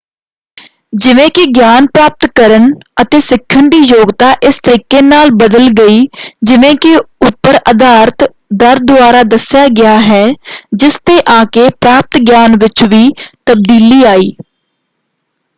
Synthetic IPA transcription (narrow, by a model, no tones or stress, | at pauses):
d͡ʒɪʋẽːkɪɡjaːnpɾaːp̚t̪kəɾənət̪eːsɪkʰːəɳɖiːjoːɡt̪aːʔɪst̪əɾiːkeːnaːlbəd̪əlɡəiːd͡ʒɪʋẽːkɪʊpːəɾəd̪aːɾt̪ | d̪əɾd̪ʊaːɾaːd̪əsjaːɡɪjaːɦɛːd͡ʒɪst̪eːʔãːkeːpɾaːp̚t̪ɡjaːnʋɪt͡ʃʋiːt̪əb̚d̪iːliːaːiː